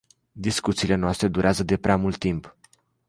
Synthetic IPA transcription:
d̪iskut̪siːle̞noast̪ɾe̞d̪uɾʔeazəd̪e̞pɾeamult̪ːimp

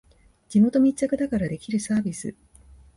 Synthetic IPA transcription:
d͡ʑimo̞t̪o̞mʲit͡ɕːakɯ̟d̪akaɾad̪e̞kʲiɾɯ̟saːbʲisɨ̰

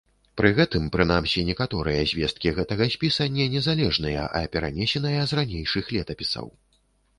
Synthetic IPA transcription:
pɾɨɣɛt̪ɨmpɾɨnamsʲinʲɛkat̪ɔɾɨjɐzʲvʲɛst̪̚kʲiɣɛt̪ɐɣɐsʲpʲisɐnʲɛnʲɛzalʲɛʐnɨjɐ̰ʔɐ̰pʲɛɾa̰nʲɛsʲɛn̪ɐjɐzranʲejʂɨxlʲɛt̪ɐpʲisɐ̰w

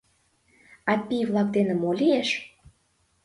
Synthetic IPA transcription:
ɑt̪̚pʲivlˠɑk̚d̪enə̆molʲieʃ

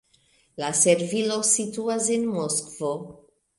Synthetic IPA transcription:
laseɾvilo̞situasenmoskvo

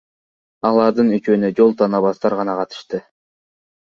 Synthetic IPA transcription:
ɑlˠɑɾd̪ɯnyt͡ʃøːnød͡ʒo̞lˠt̪ʰɑnɑβɑst̪ɑɾʁɑnɑqʰɑt̪ɯ̥ʃt̪ɯ

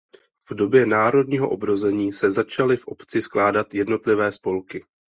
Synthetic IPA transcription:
vdo̞bjɛnaːɾo̞d̚ɲiːɦo̞ʔobɾo̞zɛɲiːsɛzat͡ʃalɪfʔo̞pt͡sɪsklaːdat̪jɛdno̞t̪lɪvɛːspo̞lkɪ

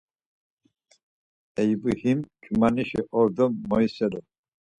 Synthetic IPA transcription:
ɛjbuhimt͡ʃʼumaniʃɛʔɔɾd̪ɔmːɔjsɛlɔ

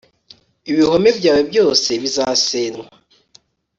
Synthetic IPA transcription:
iβiho̞mevjaːwebjo̞ːse̞βizaːseːnwa

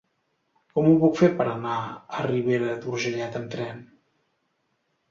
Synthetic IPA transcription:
kɔmuβukfepəɾənaəriβ̞eɾəðuɾʒəʎat̪əmt̪ɾɛn

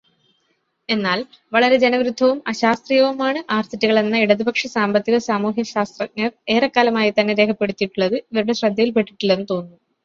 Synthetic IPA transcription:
e̞nːaːl | ʋɐɭɐɾe̞d͡ʑe̞nɐʋɾud̪ʱːɐʋumɐɕaːst̪rijɐʋumaːɳɨʔaːrt̪ʰitːuɣɐɭe̞nːɐiɽɐðubʱɐkʂɐsaːmbɐt̪ːiɣɐsaːmuːɦjɐɕaːst̪rɐŋːɐre̞ːrɐkːaːlɐmaːjit̪ɐnːe̞ɾe̞ːkʰɐpːe̞ɽut̪ːiʈːuɭːɐðɨiʋɐɾuɽe̞ɕrɐd̪ʱːɐjilpe̞ʈːiʈːilːenːɨt̪o̞ːnːu

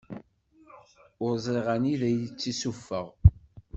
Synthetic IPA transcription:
ʊɾzˤiʁæniðæjt͡sːisufːəʁ

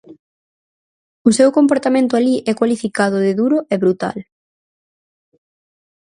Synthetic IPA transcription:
ʊsewkompoɾt̪amẽnt̪ʊaliʔɛkwalifikaðʊðɪðuɾʊɛβɾut̪a̰l

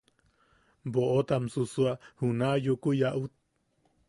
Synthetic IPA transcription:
boʔot̪amsusuahunajukujaʔut̪̚

